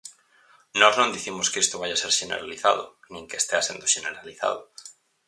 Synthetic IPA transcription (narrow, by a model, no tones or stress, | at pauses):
nɔznõnd̪iθimʊskest̪oβajaseɾʃenḛɾaliθa̰ðʊ̰nĩŋkeest̪easḛ̃nd̪oʃeneɾaliθa̰ðʊ